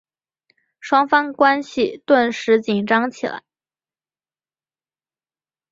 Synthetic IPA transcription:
ʂwɑ˥ŋfɑ˥ŋkwa˥nɕi˨t̪wa˥˩nʂɻ̩˧˥t͡ɕi˨˩nʈ͡ʂɑ˥ŋt͡ɕʰi˨˩la̰˧˥ɪ

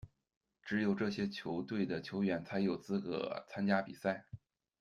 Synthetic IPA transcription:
ʈ͡ʂɻ̩˧˥jo˨˩ʊʈ͡ʂɤ˥˩ɕjɛ˥t͡ɕʰjo˧˥ʊt̪we˥˩ɪd̪ə˩t͡ɕʰjo˧˥ʊɥɛ˧˩nt͡sʰa˧˥ɪjo˨˩ʊt͡sɹ̩˥kɤ̰˧˥t͡sʰa˥nt͡ɕja˥pḭ˨˩sa˥˩ɪ

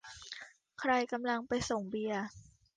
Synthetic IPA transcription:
kʰɾa˧jka˧mla˧ŋpa˧jso˨˩ŋbi˧ɐ

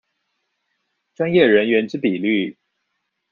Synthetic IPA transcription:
ʈ͡ʂwa˥njɛ˥˩ɻə˧˦˥nɥɛ˧˥nʈ͡ʂɻ̩˥pi˨˩ly˥˩

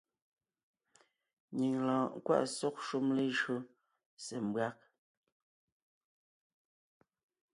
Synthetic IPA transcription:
ɲi˨ŋlãː˨ŋ˨kwa̰˦ʔsɔ˦k̚ʃu˦mle˦ʒɰo˦ | sɛ˨m˨bwa˦k̚

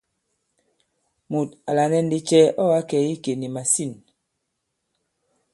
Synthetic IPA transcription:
mu˨ta˨la˨nɛ˦n̩˦di˦t͡ʃɛ˦ɔ˦wa˦kɛ˨˦i˦ke˨ni˨ma˨si˦˨n

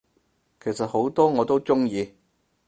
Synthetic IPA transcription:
kʰe˨˩jsɐ˨t̚ho˨˥wt̪ɔː˥ŋɔː˨˧t̪o˥wt͡sʊ˥ŋjiː˧

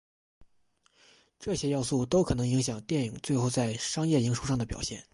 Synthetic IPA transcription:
ʈ͡ʂɤ˥˩ɕjɛ˥jɑ˥˧ʊsu˥˩t̪o˥ʊkʰɤ˨˩nɤ˧˥ŋi˧˥ŋɕ̬jɑ˨˩ŋt̪jɛ˥˩ni˨˩ŋt͡swe˥˧ɪxo˥˧ʊt͡sa˥˩ɪʂɑ˥ŋjɛ˥˩i˧˥ŋʂu˥˧ʂ̬ɑ˥˩ŋd̪ə˩pjɑ̰˨˩ʊɕjɛ̰˥˩n

